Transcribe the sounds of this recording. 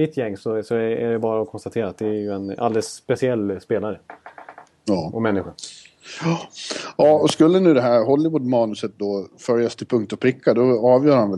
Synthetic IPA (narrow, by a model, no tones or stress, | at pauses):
ɪt̪ʰːjɛŋːsɔsɔæɖɛbɑːɾaɔkʰɔnst̪at̪ʰeːɾat̪̚d̪ɛæjɵɛna̰ld̪ɛlsːpɛsɪɛlːspeːlaɾə | ɑːʔɔmɛnːɪɧʊ | jɑːɔskɵlːənʉ̟ːd̪ɛɦæːɾɦɔlːɪvud̪mɑːnɵsət̪̚d̪ɔfœɾjast̪ʰɪlpʰɵŋk̚t̪ɔpʰɾɪkːad̪ɔɑːvjœːɾhanvɛ